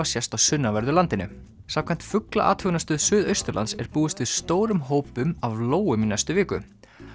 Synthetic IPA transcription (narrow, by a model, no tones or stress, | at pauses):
asjɛst̪awsʏnːavɛɾðʏlant̪ɪnʏ̰ | samkʰɛjn̥t̪fʏkla̰ʔa̰ːt̪hʏːɣnast̪ʏðsʏːðœɥst̪ʏɾla̰nt̪sɛɾpuːʏst̪vɪðst̪oːwɾʏmɦoːwpʏmavloːwʏmɪnajst̪ʏvɪːkʏ̰